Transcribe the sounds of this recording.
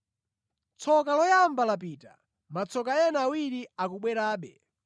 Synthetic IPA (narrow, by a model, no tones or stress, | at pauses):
t͡sʰɔkalɔjambalap̬iːta̰ | mat͡sʰɔkajɛnaːwiɾiakuɓwɛɾaːɓɛ